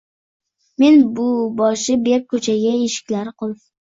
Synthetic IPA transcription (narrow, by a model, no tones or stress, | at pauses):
me̞nbʊbɒʃɪbep̚kʰɵt͡ʃʰaɡʲaeʃɪ̥kʲlaɾqʰolˠ